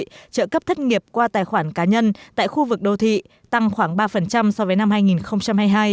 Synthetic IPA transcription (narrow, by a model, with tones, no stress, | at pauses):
t͡ɕə̰ː˧˨kə˦˥p̚t̪ʰə˦˥t̚ŋi˨˩əp̚kwaː˧t̪aː˨˩jxwaː˧˩nkaː˨˦ɲə˧nt̪a̰ː˧˨jxu˧vɨ˨˩k̚ɗə˧wt̪ʰḭ˧˨ | t̪a˧ŋxwaː˧˩ŋɓaː˧fə˨˩nt͡ɕa˧msɔ˨˧vəː˨˦jna˧mhaː˧jŋi˨˩nxə˧wŋ͡mt͡ɕa˧mhaː˧jɦaː˧j